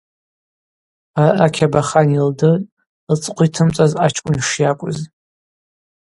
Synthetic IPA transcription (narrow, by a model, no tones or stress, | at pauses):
aʔakʲʰabaχanildɨ | t͡sʼqʷʰitʰɨmt͡sʼazat͡ʃʰʼkʷʼʊnʂjakʷʼʊ̰z